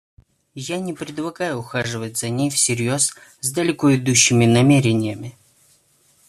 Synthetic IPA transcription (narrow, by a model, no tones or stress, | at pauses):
janʲɪpɾʲɪd̪lˠɐɡajʊʊxaʐɨvətʲz̥ɐnʲejfsʲɪɾʲjo̞szd̪əlʲɪkoɪd̪uɕːɪmʲɪnɐmʲeɾʲɪnʲɪjəmʲɪ